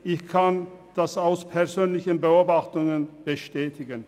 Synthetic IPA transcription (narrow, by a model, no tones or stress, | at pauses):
ʔɪçkʰand̥asaʊspʰɛɐzøːnlɪçənbəoːbaχtʊŋənb̥əʃtɛːtʰɪɡən